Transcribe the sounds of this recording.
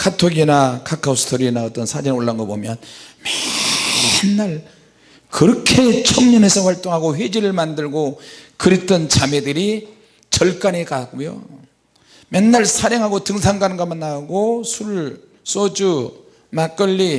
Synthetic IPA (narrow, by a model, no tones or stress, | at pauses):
kʰatʰoɡinakʰakʰausɯ̥tʰoɾinaʌt͈ʌnsʰad͡ʑinoɭːanɡʌbomjʌnme | nːaɭ | kɯɾʌkʰe̞t͡ɕʰʌŋɲʌne̞sʰʌɸwaɭt͈oŋɦaɡoɸwed͡ʑiɾɯɭmandɯɭɡokɯɾit͈ʌnt͡ɕamedɯɾi | t͡ɕʌɭk͈anekak͈ojo̰ | mjʌnːaɭsʰaɾeŋɦaɡotɯŋsʰaŋɡanɡamanːaɡosʰuɭ | s͈od͡ʑu | mak͈ʌʎːi